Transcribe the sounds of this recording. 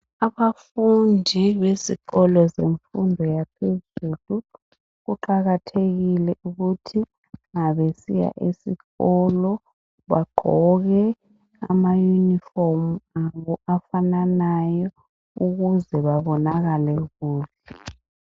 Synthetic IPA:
aβafundʱiβeziɣɔlɔzeɱfundʱɔjapʰezuːlu | ɣuǃaɣatʰeɣilɛʔuɣutʰi | ŋaβesija̰ʔisḭɣɔlɔ | βaɡ͡ǃʱɔɣɛ | a̰majuniformuaβɔʔafananajɔ | uɣuzɛβaβɔnaɣalɛɣuːβɛ

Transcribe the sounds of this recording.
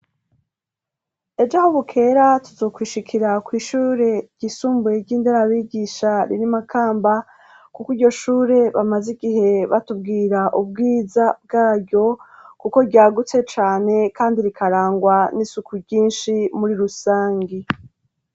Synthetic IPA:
e̞d͡ʒahoβukʰe̞ːɾatuzo̞ːkwiːʃikʰiɾakwiːʃuːɾe̞ɟ̥isuːmbujeɟiːndeɾaβiːɡiːʃaɾḭɾimakʰaːmba | kukwiɟo̞ʃuːɾe̞βamaziɡiɦe̞βatub̚ɡiːɾaʔubɡiːzab̚ɡaːɾɟo̞kuko̞ɾɟaːɡut͡se̞t͡ʃaːne̞kaːndiɾikʰaɾaːŋɡwanisukʰuɾɟiːnʃimuɾiɾusaːŋɡi

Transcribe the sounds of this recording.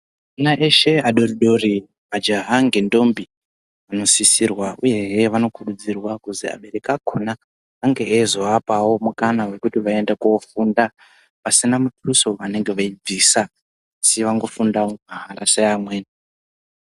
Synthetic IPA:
inaʔeʃe̞aɗo̞riɗo̞ri | ʋad͡ʒaɦaŋɡendo̞mbi | ʋano̞sisirwauje̞ɦeʋano̞kʰurud͡zirwakuzḭa̰ɓe̞ɾe̞kakʰonaː | ŋɡe̞ezoapawo̞mukanawe̞kutiʋae̞ndekuofunda | pasinamutʰuso̞ʋane̞ŋɡe̞ʋaib͡visaː | siʋaŋɡo̞fundamaɦaɾaseamwe̞ːna

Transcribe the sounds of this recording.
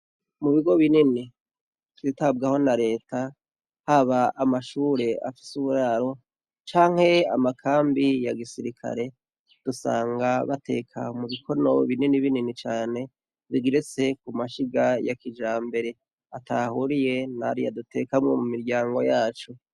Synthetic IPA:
muβiɡo̞βinini | kiitab̚ɡaho̞naɾe̞ːta | haβaːmaʃuːɾe̞a̰fi̥suβuɾaɾo̞ | t͡ʃaːŋ̥he̞a̰makʰaːmbijaɡisiɾikʰa̰ɾe̞ | d̥usa̰ːŋɡaβa̰tʰe̞̰kʰa̰muβikʰo̞no̞βininiβininit͡ʃaːne̞ | βiɡiɾet͡se̞k̚umaʃiɡajakid͡ʒaːmbe̞ɾe̞ | atʰahuɾije̞na̰ɾija̰dute̞kamŋo̞mumiɾɟaːŋɡo̞jaːt͡ʃu

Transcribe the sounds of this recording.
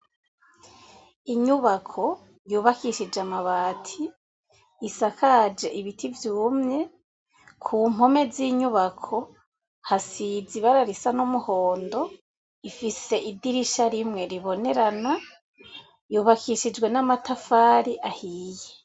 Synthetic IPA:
iɲuβakʰo̞ | juːβakiʃid͡ʒamaβaːtʰiː | sakʰad͡ʒe̞ʔiβitʰivjuːmɲe̞ | kʰuːm̥ho̞me̞ziːɲuβakʰo̞ | hasiziβaɾaɾisanumuhoːndo̞ | ifise̞ʔidiɾiʃaɾimŋe̞ɾiβo̞ne̞ɾana | juːβakʰiʃid͡ʒwe̞namatafaːɾiʔahiːje

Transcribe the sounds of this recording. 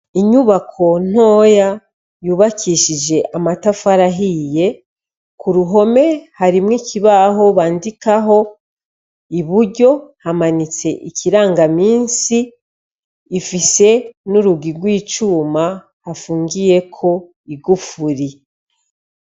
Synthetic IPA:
iɲuβakʰo̞n̥o̞ːja | juːβakʰiʃid͡ʒe̞ʔamatafaɾaɦije̞ | kuɾuɦo̞me̞haɾimŋicʰiβaɦo̞βaːndikaɦo̞ | iβuɾɟo̞hamanit͡se̞ʔicʰiɾaːŋɡamiːnsiː | fise̞nuɾuɡiɡwiːt͡ʃuːma | hafuːŋɡije̞kʰo̞ | iɡufuɾi

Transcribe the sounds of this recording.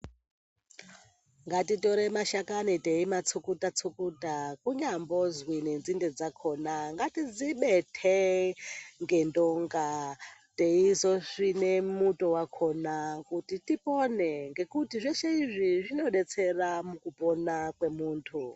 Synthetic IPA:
ŋɡatito̞ɾemaʃakaniteimat͡sʰukutat͡sʰukutakuɲambo̞zwinend͡zinded͡zakʰo̞naŋɡatid͡ziɓetʰe | ŋɡe̞ndoŋɡate̞izo̞ʐine̞muto̞wakʰo̞nakutitiponeŋɡe̞kutiʐeʃeiʐiʐino̞ɗe̞t͡se̞ramukuponakwe̞muːntʰu

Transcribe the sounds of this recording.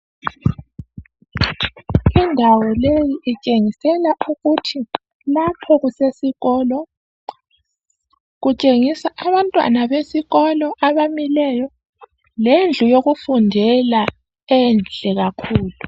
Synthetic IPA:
indʱawɔlejiʔit͡ʃʼeŋisɛlaʔuɣutʰi | lapʰɔɣusesiɣɔːlɔ | ɣut͡ʃʼeŋisaʔaβantʼwa̰naβesiɣɔlɔʔaβamilɛːjɔ | lend͡ɮʱujoɣufundʱɛla | ɛnd͡ɮʱɛɣakʰuːlu

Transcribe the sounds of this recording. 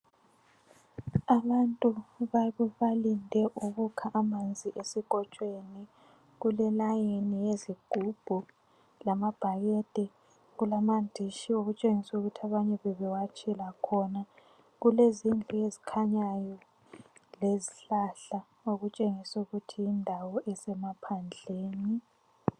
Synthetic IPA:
aβantʼuβaβɛβalindʱɛʔuɣukʰaʔamand͡zʱiʔesiɣ̥ʱɔt͡ʃʼweni | ɣulɛlajenijeziɡ̥ʱub̥ʱu | lamab̥ʱaɣɛd̥ʱʼɛ | ɣulamandʱiʃioɣut͡ʃʼeŋisuuɣutʰiaβaɲɛβɛβɛwat͡ʃʼilakʰɔna | ɣulezind͡ɮʱuezikʰaɲajɔ | leziɬaɬa | oɣut͡ʃʼeŋisɛuɣutʰijindʱawɔʔɛsɛmapʰand͡ɮʱeːni

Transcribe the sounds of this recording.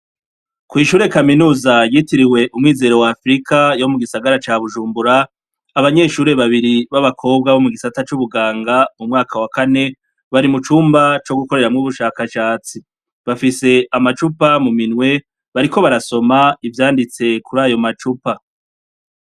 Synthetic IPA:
kwiːʃuːɾe̞kaminuːzajitiɾiwe̞ʔumŋiːze̞ɾo̞wafɾikajo̞muɡisaɡaɾat͡ʃaːβuʒuːmbuɾaː | βaɲe̞ʃuːɾe̞βaβiɾiβaβakʰo̞b̚ɡaβo̞muɡisatat͡ʃuβuɡaːŋɡamumŋaːkʰawakane̞ | βaɾimut͡ʃuːmbat͡ʃo̞ɡuko̞ɾe̞ɾamŋuːβuʃaːkaʃaːt͡si | βafise̞amat͡ʃupamuminŋwe̞ | βaɾiko̞βaɾaso̞maivjaːndit͡se̞kuɾaːjo̞mat͡ʃupa

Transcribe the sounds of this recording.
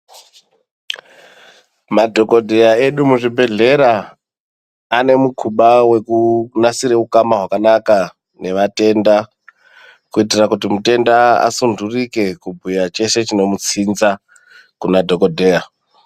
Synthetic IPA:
madʱo̞ko̞dʱe̞jae̞ɗumuʐibʱe̞ɮe̞ɾa | ne̞mukʰuɓawe̞kunasiɾe̞ukamaɦwakanaka | ne̞ʋate̞nda | kuitirakutimute̞ndaa̰sundurike̞kubʱujat͡ʃe̞se̞t͡ʃino̞mut͡sinza | kunadʱo̞ko̞dʱe̞ja

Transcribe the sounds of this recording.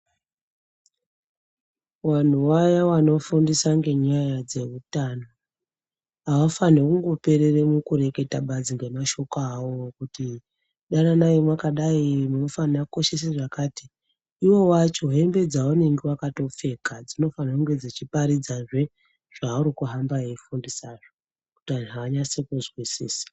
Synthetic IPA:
wan̤uwajawano̞fundisaŋɡe̞ɲajad͡ze̞utaːno̞ | awafanekuŋɡo̞pe̞ɾeremukuɾe̞ke̞taɓad͡ziŋɡe̞maʃo̞kawokuti | ɗananajimwakaɗaimunofanakko̞ʃeseʐakaːti | iwo̞wat͡ʃo̞ɦe̞mbe̞d͡zaune̞ŋɡewakato̞p͡fe̞kad͡zino̞fanakuŋɡe̞d͡zet͡ʃipaɾid͡zaʐe̞ | ʐ̥auɾikuɦambajeifundisaːʐo | ku̥tian̤uɦaːɲasekuzwisiːsḁ

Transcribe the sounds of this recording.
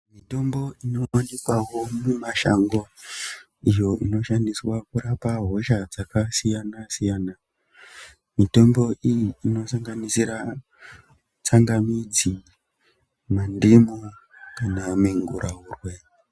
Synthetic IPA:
mito̞mbo̞ino̞anikwawo̞mumaʃaŋɡo̞ | ijo̞ʔino̞ʃandiswakuɾapaɦo̞ʃad͡zakasijanasijaːna | mito̞mbo̞ʔijiːno̞saŋɡanisiɾa | t͡saŋɡamid͡zi | mandimukanameŋɡṵɾʔaurwe

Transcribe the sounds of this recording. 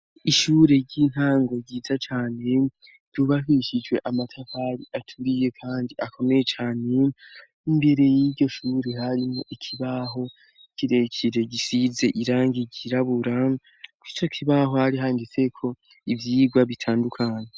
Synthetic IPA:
iʃuːɾe̞ɾɟin̥haːŋɡo̞ɟiːzat͡ʃaːne̞ | d̥juβaɦiʃid͡ʒwe̞ʔamatʰafaɾiʔatʰuɾije̞kʰaːndiʔakʰo̞me̞je̞t͡ʃaːne̞ | imbe̞ɾe̞jiɟo̞ʃuːɾe̞haɾimoʔikʰiβaɦo̞ | kiɾe̞cʰiɾe̞ɟisize̞ʔiɾaːŋɡiɟiɾaβuɾa | kwit͡ʃo̞kʰiβaɦo̞haɾiɦaːndit͡se̞kʰo̞ | ivjiːɡwaβitʰaːndukʰaːɲe

